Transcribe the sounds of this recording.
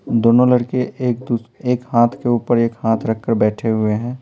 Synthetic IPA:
d̪oːnõlɐɽkeːkd̪ueːkhaːt̪ʰkeuːpəɾeːkhaːt̪ʰɾɐkʰːəɾbɛːʈʰeɦʊeɦɛ̃ː

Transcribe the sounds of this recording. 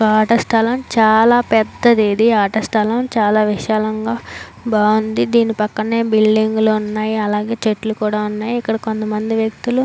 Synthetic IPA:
aːʈɐsʈ̪ʰɐlɐmt͡ʃaːlaːpɛd̪ːɐd̪iːd̪iaːʈɐsʈ̪ʰɐlɐmt͡ʃaːlaːʋiʃaːlɐŋɡaː | baːwund̪id̪iːnipɐkːɐɳeːbilɖiŋɡloːunːaːjiɐlaːɡe̞ːt͡ʃeʈlukuːɽaːunːaːjiikːɐɽɐko̞nt̪ɐmɐnd̪iʋjek̚t̪ulu

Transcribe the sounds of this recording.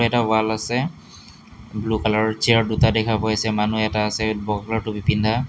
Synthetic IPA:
ɛtawalasɛ | blukalaɹt͡ʃɛaɹdutadɛkʰapɔjsɛmanuɛtaːsɛbɔkalaɹtʊbipindʱa

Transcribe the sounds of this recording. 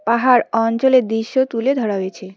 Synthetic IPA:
paɦaɾɔnt͡ɕoled̪iʃːot̪uled̪ʱɔɾaɦoet͡ɕʰe

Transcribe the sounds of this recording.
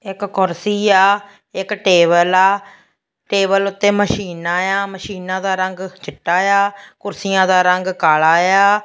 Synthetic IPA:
ɪkkʊɾsiːaː | ɪkʈeːbəlaː | ʈeːbəlʊt̪ːeːməʃiːnãːjaːməʃiːnãːd̪aːɾəŋɡt͡ʃɪʈːaːjaːkʊɾsɪjãːd̪aːɾəŋɡkaːlaːjaː

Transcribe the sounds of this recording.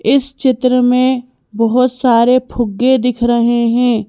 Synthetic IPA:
ɪst͡ʃɪt̪ɾəmẽ | bɐɦʊt̪saːɾepʰʊɡːed̪ɪkʰɾɐɦeɦɛ̃ː

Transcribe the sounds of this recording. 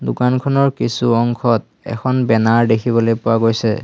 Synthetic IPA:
dukankʰɔnɔɹkisuɔŋkʰɔt | ɛ̰kʰɔnbɛnaɹdekʰiβɔlojpʊwaɡojsɛ̰

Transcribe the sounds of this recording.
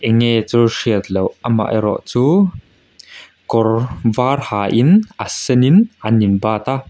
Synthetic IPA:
ʔɛŋɛt͡sɔʂiət̪lɔwama̰ʔjɾɔ̰ʔt͡suː | kɔrvarhaʔinʔasɛninʔaninbaːt̪a

